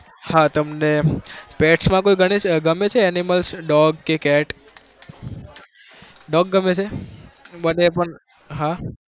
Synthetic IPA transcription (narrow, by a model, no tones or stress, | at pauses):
hat̪əmnepeʈsmãkojɡʱəɽ̃et͡ʃɡəmet͡ʃʰeɛniməlsɖɔɡkekɛʈ | ɖɔɡːəmet͡ʃʰe | bənepəɳ | ɦã